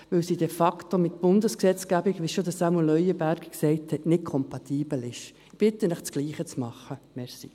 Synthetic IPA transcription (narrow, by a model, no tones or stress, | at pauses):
ʋɵwsid̥ɛfɑktomɪt̪̚b̥ʊndəsksɛt͡sɡ̥æbiɡʋɪʃod̪əsɑmulœʏjəbæɾkksɛɪthɛtnɪt̚kʰɔmpɑt̪ʰiːb̥əl̩ɪʃ | b̥ɪtːənɛχt͡sɡliːχət͡smɑχəmɛɾsḭ